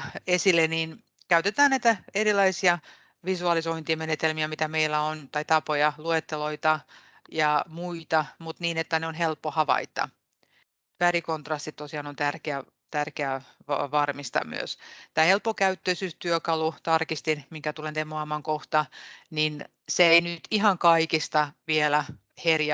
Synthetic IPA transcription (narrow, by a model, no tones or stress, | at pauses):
esilːeniːn | kæyt̪et̪æːnæit̪æerilɑisiɑ | ʋisuɑlisoint̪imenet̪elmiæmit̪æmeilːæont̪ɑit̪ɑpojɑluet̪ːeloit̪ɑ | jɑmuit̪ɑmut̪niːnet̪ːæneonɦelpːohɑʋɑ̰it̪ːˑɑ̰ | t̪ʋærikont̪rɑst̪it̪tosiɑnont̪ærkeæ | t̪ærkeæʋɑ̰ʋɑrmist̪ɑ̰my̰ø̰st̪ːæːhelpːokæyt̪ːøisyːst̪yøkɑlut̪ɑrkist̪inmiŋkæt̪ulent̪emːoɑmɑŋkoht̪ɑnin | seeinyt̪ihɑŋkɑikist̪ɑʋielæ | herjɑ